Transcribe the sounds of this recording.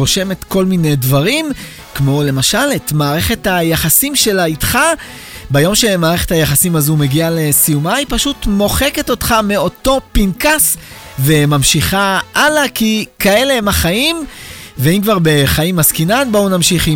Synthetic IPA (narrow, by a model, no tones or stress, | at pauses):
ʁoʃe̞metko̞lminejdvaʁim | kmo̞le̞maʃaletmaːʁe̞χe̞thajaχasimʃe̞laitχa | bajo̞mʃe̞maːʁe̞χe̞thajaχasimazume̞ɡiale̞sijumaipaʃutmo̞χe̞keto̞tχameo̞to̞pinkas | ve̞mamʃiχaʔalakikae̞le̞emaχaimveimkvaʁbe̞χaimːaskinanbounamʃiχi